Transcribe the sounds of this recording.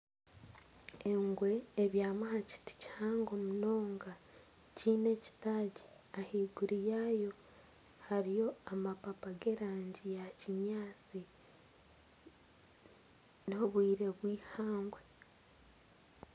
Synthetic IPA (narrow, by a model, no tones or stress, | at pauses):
eŋɡwe̞ːβjaːmahaci̥ti̥ci̥haːŋɡo̞muno̞ːŋɡa | ciːne̞ci̥taɟi | ahiɡuɾijaːjo̞ | haɾijo̞amapapaɡe̞ɾaːɲɟijaciɲaːt͡si | noβwiːɾe̞βwiːhaːŋɡwe̞